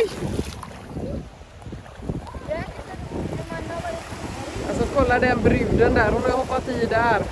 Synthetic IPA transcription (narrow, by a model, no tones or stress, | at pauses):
j | alsɔkʰɔlːad̪ɛnbɾʏvd̪ənd̪æɾhʊnahɔpːat̪ʰiːd̪æɾ